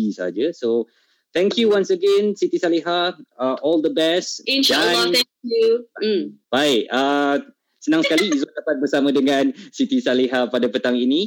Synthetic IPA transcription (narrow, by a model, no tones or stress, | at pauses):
isa̰ad͡ʒəso | t̪ɛ̃ŋkjuwãnsəɡɛ̃nsit̪isaliɦaəʔɔld̪əbɛstinʃaat̪ɛkju | b̥aɪʔa | sənãŋsəkaliizadapat̪̚bərsamãdəŋãnsit̪isaliɦapadapət̪aŋini